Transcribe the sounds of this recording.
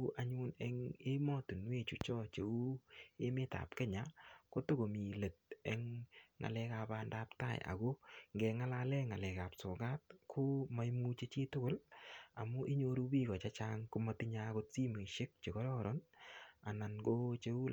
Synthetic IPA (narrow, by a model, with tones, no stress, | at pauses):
ʔa˨ɲʊ˦nɛ˦ŋe˦mɔ˦tu˨nwe˦t͡ʃu˨t͡ʃɔ˦t͡ʃe˨u˦e˦mɪ˦ta̰˨pkɛ˦ɲa˨˦ko˦tʊ˦ɡo˨mi˨le˨t̚ɛ˦ŋːa̰˨lɛ˦ka˨panda˦pta̰˦˨j̰a̰˨ɡo˦ŋɡɛ˨˧ŋa˦la˧lɛ˦ŋa˨lɛ˨ka˨psʊ˨ɡa˦t̚kʰʊ˦ma˨˦i˦mu˦t͡ʃe˦t͡ʃi˦tʊ˦kʊ˦la˨mʊ˦ʔi˦ɲo˧ɾu˦bi˦ɡɔ˨t͡ʃa˦t͡ʃa˦ŋkʊ˦ma˦ti˦ɲa˦ɡʊ˦t̚si˦me˨ʃɪ˦k̚t͡ʃe˨kɔ˦ɾɔ˦ɾɔ˦na˨na˨nɡo˦t͡ʃe˦u˦